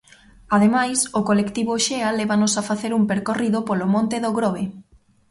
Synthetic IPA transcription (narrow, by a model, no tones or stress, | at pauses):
að̞emajsokolekt̪iβoʃealeβanʊsafaθeɾumpeɾkoriðopolomõnt̪eðoɣɾoβe